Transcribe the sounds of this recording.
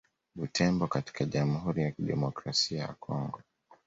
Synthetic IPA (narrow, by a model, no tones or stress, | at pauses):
ɓutʰɛmbɔkati̥kaʄamuhuɾijakiɗɛmɔkɾasiaja̰kʰɔŋɡɔ